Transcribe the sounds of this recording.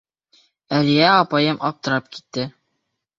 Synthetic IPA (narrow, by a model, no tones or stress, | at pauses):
ælijæɒpɑjɤmʔɒp̚t̪ɤ̆ɾɑp̚ki̥t̪ːɘ